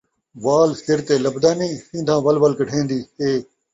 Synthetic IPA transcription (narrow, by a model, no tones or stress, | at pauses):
ʋaːlsɪɾt̪eːləbd̪aːnĩːsĩːnd̪ʱãːʋəlʋəlkəʈʰẽːnd̪iːheː